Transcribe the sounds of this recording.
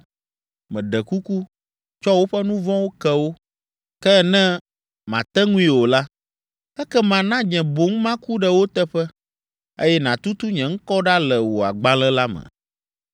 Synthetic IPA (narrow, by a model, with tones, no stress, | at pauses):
mɛ̃˨ɖɛ˨ku˦ku˦ | t͡ʃɔ˦wo˦ɸɛ˦nũ˦vɔ̃˦wo˦kɛ˦wo˦ | kɛ˦˨nɛ̃˦ | mã˨t̪ɛ˦ŋũ˦ĩ˦wo˨la˦ | ɛ˦kɛ˦mã˨nã˦ɲɛ̃˨bo˨ŋ˦mã˦ku˦ɖɛ˨wo˦t̪ɛ˦ɸɛ˦ | ḛ˦jɛ˦nã˨t̪u˦t̪u˦ɲɛ̃˨ŋ̩˦kɔ˦ɖa˦lɛ˨wo˨a˨ɡ͡ba˦lɛ̃˦la˦mɛ̰̃˨